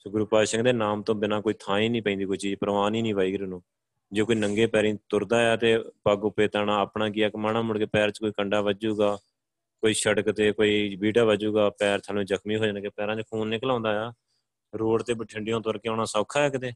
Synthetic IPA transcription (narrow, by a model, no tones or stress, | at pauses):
sɡʊɾuːpaːʃə̃ŋɡd̪eːnaːmt̪õːbɪnãːkoːiːt̪ʰãːiːnĩːpɛ̃ĩːd̪iːkʊit͡ʃiːd͡ʒpəɾʋaːniːnĩːʋaːiːɡɾnũː | d͡ʒoːkoiːnəŋɡeːpɛːɾĩːt̪ʊɾd̪aːjaːt̪eːpəɡʊpːeːt̪aɳãːəːpɳãːk̬ɪːaːkmaːnãːmʊɽkeːpɛːɾt͡ʃkoːiːkəɳɖaːʋəd͡ʒuːɡaː | koːiːʃəɽkt̪eːkoːiːbiːʈaːʋəd͡ʒuːɡaːpɛːɾt̪ʰalõːzəkʰmiːɦoːd͡ʒaːnkeːpɛːɾãːt͡ʃkʰuːnːɪklãːnd̪aːjaː | ɾoːɽt̪eːbəʈʰɪɳɖɪjõːt̪ʊəɾkeːɔ̃ːnaːsaːkʰːaːɛːkət̪eː